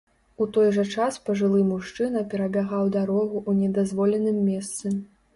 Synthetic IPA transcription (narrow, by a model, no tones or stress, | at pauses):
ut̪ɔjʐɐt͡ʂaspɐʐɨlˠɨmuʂt͡ʂɨnɐpʲɛɾɐbʲaɣawd̪aɾɔɣuʔːnʲɛd̪azvɔlʲɛnɨmːʲɛst̪sɨ